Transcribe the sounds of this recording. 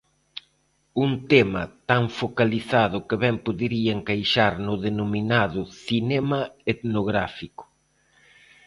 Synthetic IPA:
unt̪ɛmɐt̪aɱfokaliθaðʊkɪβɛmpoðiɾiɐeŋkajʃaɾnʊðenominaðʊθinɛmɐet̪noɣɾa̰fikʊ̥

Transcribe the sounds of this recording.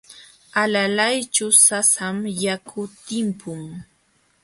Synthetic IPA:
alalajt͡ʃʊsasamjakʰʊt̪ɪmpʊŋ

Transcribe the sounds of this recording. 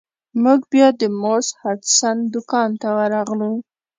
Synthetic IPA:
muɡbjɑd̪əmoshaʈsand̪ʊkɑnt̪awəɾɑɣlu

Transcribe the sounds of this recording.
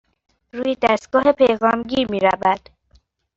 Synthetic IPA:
ɾuːjed̪æst̪ɡɒːhepʰejɣɒːmɟiːɾmiːɾæbæd̪̥

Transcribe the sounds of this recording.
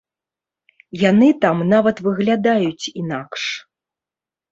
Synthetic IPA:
janɨt̪amnavɐt̪vɨɣlʲad̪ajut͡sʲinakʂ

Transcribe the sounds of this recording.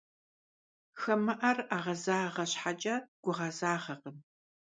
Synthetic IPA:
xɐmɐʔɐraːʁɐzaːʁɐɕħat͡ʃʼaɡ̥ʷʊʁɐzaːʁɐqəm

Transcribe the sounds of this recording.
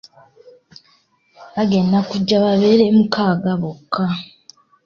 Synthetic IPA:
βaɡe̞ndakuɟːaβaβe̞ːɾe̞mukʰaːɡaβokʰːa

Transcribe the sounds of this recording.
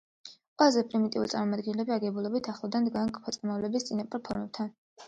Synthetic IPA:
qʼwɛzɛpʼɾimit̪ʼḭulisʼaɾmɔmad̪ɡɛnlɛbiaɡɛbulˠɔbit̪ʰaχlˠad̪and̪ɡaŋkʼpʰɔt̪sʼamavlɛbist̪sʼinapʼɔɾpʰɔɾmɛb̚t̪ʰan

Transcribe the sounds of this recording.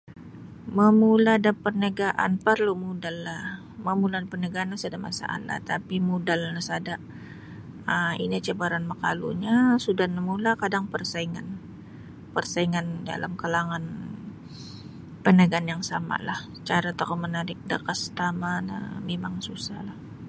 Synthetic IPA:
məmuladapərnəɡaʔa̰npərlomudalːah | məmuladapərnəɡaːnːasadama̰sa̰ʔa̰nla̰ht̪apimudalnasadaʔ | əḭnit͡ʃabaɾanməka̰lṵɲasudahnəmulakadaŋpərsaiŋan | pərsaiŋanda̰la̰mkalaŋan | pənəɡanjaŋsama̰lah | t͡ʃaɾat̪aomənaɾɪk̚dəkəst̪amanə̰memaŋsusa̰hlah

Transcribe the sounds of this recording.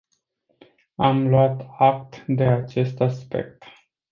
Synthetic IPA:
amluat̪ak̚t̪d̪e̞at͡ʃe̞st̪aspe̞̰k̚t̪

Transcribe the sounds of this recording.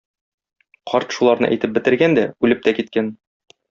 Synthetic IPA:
qʰɒɾt̪ʃulˠɑɾnɤ̰ʔæ̰jt̪ɘp̚bɘ̆t̪ɘ̆ɾɡænd̪æʉlɘp̚t̪ækit̪̚kæn

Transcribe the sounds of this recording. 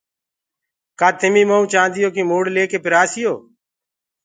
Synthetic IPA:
kaːt̪ʰɪmiːməũːt͡ʃãːnd̪ɪjoːkiːmoːɽleːkeːpɪɾaːsɪjoː

